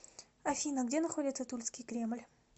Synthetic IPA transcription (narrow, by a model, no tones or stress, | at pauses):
ɐfʲinəɡdʲe̞nɐχo̞dʲɪt̪sət̪ulʲskʲɪjkɾʲe̞mɨlʲ